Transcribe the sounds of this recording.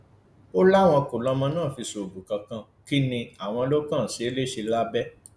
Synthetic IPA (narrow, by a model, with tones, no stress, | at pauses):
o˦la˦˨w̃ɔ̃˧ko˨lɔ˧mɔ̃˧nãː˦˨fi˧so˨bu˨kã˧kã˧ | ki˦nĩ˧a˨w̃ɔ̃˧lo˦kã˦˨si˨˦e˦le˦ʃe˧la˦bɛ˦